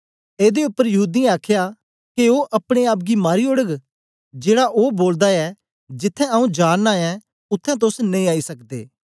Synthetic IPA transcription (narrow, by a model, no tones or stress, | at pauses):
eːd̪eʊpːəɾjɐɦuːd̪ĩaːkʰja | keoːʔɐpɽ̃eaːp̬ɡimaːɾiʊɽəɡ | d͡ʒeːɽaʔoːboːld̪aɛ | d͡ʒɪt̪ʰːɛ̃ɐũd͡ʒaːnnaɛ | ʊt̪ʰːɛ̃t̪̬ʊsnẽĩaːisɐkd̪ḛː